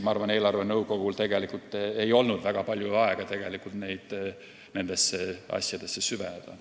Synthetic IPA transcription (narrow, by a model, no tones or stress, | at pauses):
mɑɑrvɑne̞ːlɑrve̞nɤwɡo̞ɡ̥ult̪e̞ɡ̥e̞likult̪ːˑe̞jo̞lnud̪̥væɡ̥ɑpɑlʲjuɑeɡ̥ɑt̪e̞ɡ̥e̞likˑult̪ne̞jd̪̥ | ne̞nd̪esːeɑ̰sʲjɑd̪̥e̞sːesyved̪̥ɑ̰